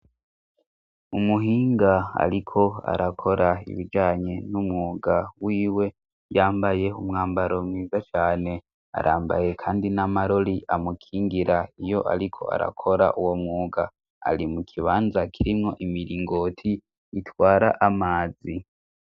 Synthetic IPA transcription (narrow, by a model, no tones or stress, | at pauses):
umuɦiːŋɡaa̰ɾikʰo̞a̰ɾakʰo̞ɾaḭβid͡ʒaːɲe̞numŋuːɡawiːwe̞ | jaːmbaje̞umŋaːmbaɾo̞mŋiːzat͡ʃaːne̞ | a̰ɾʔaːmba̰je̞kʰaːndinamaɾo̞ɾiʔamukʰiːŋɡiɾaijo̞ʔa̰ɾikʰo̞̰a̰ɾa̰kʰo̞ɾa̰ʔuwo̞mŋuːɡa̰ː | ɾimukʰiβaːnzakʰiɾimŋo̞ʔimiɾiːŋɡo̞tʰiː | twaːɾaʔamaːzi